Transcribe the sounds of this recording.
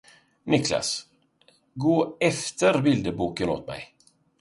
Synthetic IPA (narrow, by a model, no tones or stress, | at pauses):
nɪklɑ̰s | ɡoːɛft̪əɾbɪld̪əbuːkəno̰ːt̪mɛ̰ɪ